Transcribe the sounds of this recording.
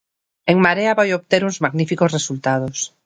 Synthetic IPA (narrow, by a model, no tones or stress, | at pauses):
eŋmaɾeaβojop̚t̪e̞ɾunzmaɣnifiko̞sre̞sult̪að̞os